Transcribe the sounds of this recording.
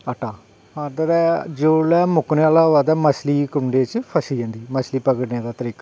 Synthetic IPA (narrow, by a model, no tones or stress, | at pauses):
əʈaː | aɾd̪aːd̪ɛːd͡ʒoːlɛːmʊkneːaːlaːɦoaːd̪ɛːməsliːkʊɳɖeːt͡ʃpʰəsiːɛ̃ːnd̪iːməsliːpəɡəɖneːd̪aːt̪əɾiːkaː